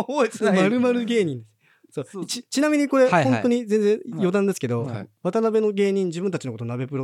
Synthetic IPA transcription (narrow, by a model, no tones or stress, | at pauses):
maɾɯ̟maɾɯ̟ɡe̞ːɲ̟ĩnd̪es | soːt͡ɕit͡ɕinamʲiɲ̟iko̞ɾe̞õntoɲ̟izẽ̞nd͡zẽjo̞d̪ãnd̪e̞sɨ̥ke̞d̪o̞̰βat̪anabe̞no̞ɡe̞ːɲ̟ĩɲ̟d͡ʑibɯ̟̃nt̪ḁt͡ɕinoko̞t̪o̞nabe̞pɯ̟ɾo